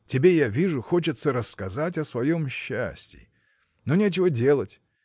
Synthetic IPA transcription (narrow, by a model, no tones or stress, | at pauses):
tʲɪbʲe̞javʲiʐʊxo̞t͡ɕɪt̪səɾəsːkɐzatʲɐsvɐjo̞mɕːa̰sʲtʲɪ̰ | nonʲet͡ɕɪvədʲe̞lˠətʲ